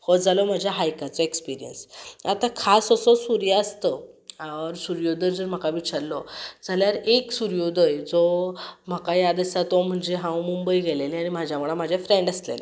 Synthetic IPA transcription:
hɔd͡zalɔm̤ad͡ʑʱjaɦajkat͡sɔekspiɾijə̰nsat̪ãkʰasəsɔsuɾjaəst̪əaɾsuɾjod̪əɾd͡zəɾm̤akaʋit͡ɕʰaɾlɔd͡zaljaɾeksuɾjod̪ʱəjd͡zɔm̤akajad̪əsat̪ɔm̤əɳd͡zeɦãwmumbəiɡʱeleleañim̤ad͡ʑʱjamuɭam̤ad͡ʑʱjafɾeɳɖəslḛlḛ

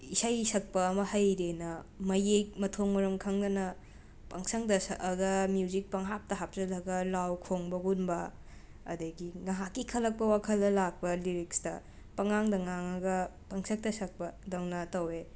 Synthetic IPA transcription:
isajsɐk̚pɐːmɐhɐjɾenɐmɐjek̚mɐtʰoŋmɐɾɐmkʰɐŋdɐnɐ | pɐŋsɐŋdɐsːɡɐmjuzik̚pɐŋɦap̚tɐɦap̚zɐlɐɡɐlawkʰoŋbɐɡunbɐ | ɐ̰dɐɡiŋɐɦakːikʰɐlɐk̚pɐwakʰɐlːɐlak̚pɐliɾikstɐ̰ | pɐŋaŋdɐŋaŋɐɡɐ | pɐŋsɐk̚tɐsɐk̚pɐdɐŋnɐtɐwe

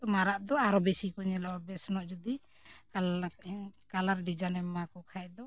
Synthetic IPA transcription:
ɔmaɾaʔd̪ɔaɾɔbesikɔɲɛlɔbɛsnɔʔd͡ʒud̪i | kalaɾɖid͡ʒanɛmakɔkʰajɛd̪ɔ

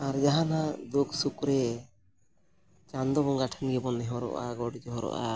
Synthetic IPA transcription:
aɾd͡ʒaɦanad̪ukʰsukɾɛ | t͡ʃand̪ɔbɔŋɡaʈʰanɡɛbɔnːɛɦɔɾɔ̰ʔa̰ɡɔɽid͡ʒɔɦɔɾɔ̰ʔa̰

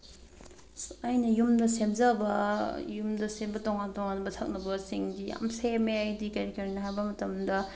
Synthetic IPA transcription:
ɐjnɐjumdɐsemzɐbɐjumdɐsebɐtoŋantoŋanbɐtʰɐk̚nɐbɐsiŋdija̰msemeɐjdikeɾekeɾinɐɦajbɐmɐtɐmdɐ

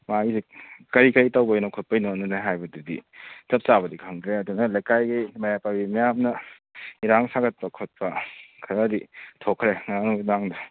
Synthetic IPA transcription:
maizekɐɾikɐɾitawbɐjnakʰot̚pɐinonːɐnajɦajbɐdidḭtɐp̚t͡ʃaβɐdikʰɐŋkʰɾeɐdunɐlɐjkajɡimɐjapajbimɐjamnɐ | iɾaŋsaɡɐt̚pɐkʰot̚pɐkʰɐɾɐditʰokʰːɾeŋanunaŋdɐ

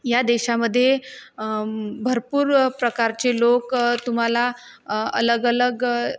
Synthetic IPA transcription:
jad̪eɕaməd̪ʱːje | bʱəɾpuːɾpɾəkaɾt͡ɕelokt̪um̤ala | ə̰ləɡələɡ

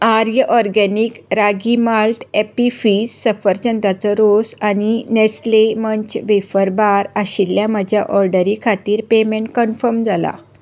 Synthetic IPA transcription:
aɾjəʔɔɾɡɛnikɾaɡimalʈ̪epifissəfəɾt͡ɕənd̪at͡sɔɾosaninesleməɲt͡ɕʋefəɾbaɾaɕilːjãməd͡ʑʱjaʔɔɾɖəɾikʰat̪iːɾpemẽɳʈ̚kənfəɾmd͡zʱala̰

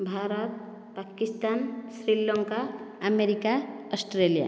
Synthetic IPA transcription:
bʱaːɾət̪̚ | pakist̪aːnsɾilɔ̃ŋkaəmeɾikaəsʈɾelija̰

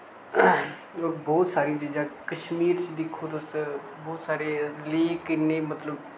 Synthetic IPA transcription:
oɾbɔːt̪saːɾĩt͡ʃiːd͡ʒãːkəʃmiːɾt͡ʃd̪ɪkʰːod̪os | bɔːt̪saːɾeliːkɪnːẽːmət̪ləb

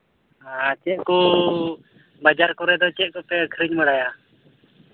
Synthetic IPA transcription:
at͡ʃɛʔkɔ | bad͡ʒaɾkɔɾɛd̪ɔt͡ʃɛʔ̚kɔpɛəkʰɾiɲməɽaja

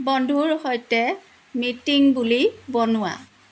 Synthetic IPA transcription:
bɔndʱuɹhojtɛ | mitiŋbulibɔnʊwa̰

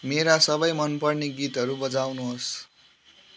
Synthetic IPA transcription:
meɾasʌbʌjmʌnpʌrneɡit̪ʌɾubʌd͡zawnuɦos

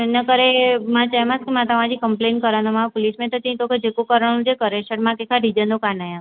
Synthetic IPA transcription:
nəkəɾemãt͡ʃamãskemãt̪aʋãd͡ʒikəmplenkəɾanomãpolismẽt̪ot̪ĩĩt̪oked͡ʒekokəɾə̃ũd͡ʒekəɾeʃəʈmãkekʰaɖʱid͡ʒənokanajã

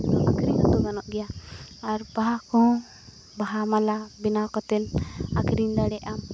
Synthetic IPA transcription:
ɔakɾinɔt̪uɡanɔʔɡɛjaaɾbaɦakɔ̃ | baɦamalabinakɔt̪ɛlakɾind̪aɽɛʔam

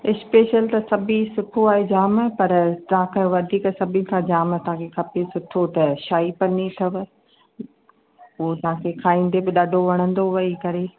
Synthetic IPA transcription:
ɪspeːʃəlt̪ɐsɐbʱisʊkʰoaːɦed͡ʑaːmpɐɾt̪ɐʋɦãkʰẽʋɐd̪ʱiːksɐbʱɪ̃nɪkʰãd͡ʑaːmt̪ɐɦãkʰexʰɐpesʊʈʰot̪ɐʃaːipɐnit̪ʰɐʋɪ̆ | uɦt̪ɐʋɦãkʰekʰaːĩːn̆d̪ebɪɗaːɖʱoʋɐɽ̃ə̃nd̪oʋɐikɐɾeː

